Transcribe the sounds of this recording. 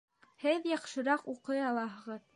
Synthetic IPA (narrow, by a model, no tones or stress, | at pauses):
hɘðjɑqʃɤ̆ɾɑquqɤjɑlˠɑɦɤ̆ʁɤð